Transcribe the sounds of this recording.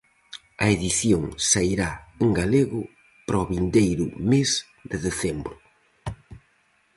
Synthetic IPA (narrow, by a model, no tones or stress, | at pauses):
ɐeðiθjoŋsaiɾaeŋɡaleɣʊ | pɾɔβind̪ejɾʊ̰mez | d̪eðeθɛmbɾʊ